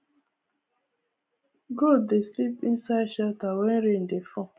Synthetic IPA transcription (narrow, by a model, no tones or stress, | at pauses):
ɡodeslipĩnsaɪʃatawɛ̃nɾẽndefɔ̃